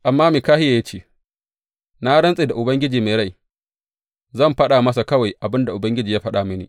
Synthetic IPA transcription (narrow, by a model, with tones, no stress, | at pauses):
ʔa˨mːaː˦me˨kaː˦hɪ˦ja˨ja˦t͡ʃeː˦˨ | na˦ɽɐ˦nsʼeː˨da˨ʔʊ˨bɐ˦ŋɡʲɪ˦d͡ʒiː˨ma˨ɾa˦˨j | zɐ˦˨mɸɐ˦ɗaː˨mɐ˦sa˨kɐ˦wa˨jʔa˨bɪ˦nda˨ʔʊ˨bɐ˦ŋɡʲɪ˦d͡ʒiː˨jaː˦ɸɐ˦ɗaː˨mɪ˦nḭː˨